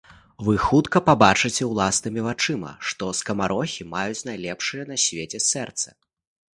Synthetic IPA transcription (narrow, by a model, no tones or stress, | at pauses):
vɨxut̪kɐpabat͡ʂɨt͡sʲɛwlˠasnɨmʲivat͡ʂɨmɐ̰ʂt̪ɔskɐmaɾɔxʲimajut͡sʲnajlʲɛpʂɨjɛn̪ɐsʲvʲet͡sʲɛsɛrt̪sɐ̥